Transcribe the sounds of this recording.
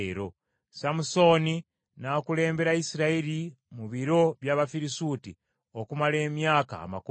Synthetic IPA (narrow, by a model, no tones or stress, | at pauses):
ɾo | samuso̞ni | nakule̞ːmbe̞ɾaisiɾaeɾi | muβiɾo̞βjaːβafiɾisuːti | okumale̞ːmjaːka̰ːmak